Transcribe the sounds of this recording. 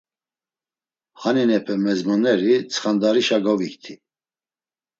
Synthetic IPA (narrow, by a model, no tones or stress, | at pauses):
haninɛpʰɛmɛzmɔnɛɾit͡sʰχand̪aɾiʃaɡɔvikt̪ʰi